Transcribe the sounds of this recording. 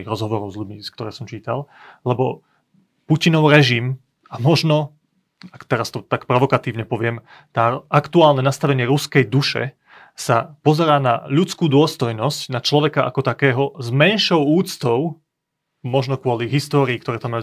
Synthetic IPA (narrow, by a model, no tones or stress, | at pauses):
iɣɾɔzɦɔʋɔɾɔʊzʎuɟmisk̚t̪ɔɾɛːsɔmt͡ʃiːt̪al | lɛbɔ | pucinɔʊɾɛʒim | amɔʒnɔ | akt̪ɛɾast̪ɔt̪akpɾɔʋɔkat̪iːʊɲɛpɔʋɪɛm | t̪aːʔakt̪uaːlnɛnast̪aʋɛɲɪɛɾuskɛjd̪uʃɛ̰ | sapɔzɛɾaːna̰ʎut͡skuːd̪ʊɔst̪ɔjnɔscnat͡ʃlɔʋɛkaʔa̰kɔt̪akɛːɦɔzmɛnʃɔʊuːt͡st̪ɔʊ | mɔʒnɔkʊɔliɦist̪ɔːɾiːkt̪ɔɾɛːt̪amːaju